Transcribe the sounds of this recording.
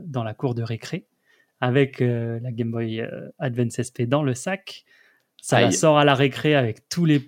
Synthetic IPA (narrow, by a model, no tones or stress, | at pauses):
d̪ɑ̃lakuʁd̪əʁekχe | avɛkʰølaɡʲɛmbɔjø̰ad̪vɛ̃nt̪sɛsped̪ɑ̃ləsak | salasɔʁalaʁekχeavɛkt̪ʰule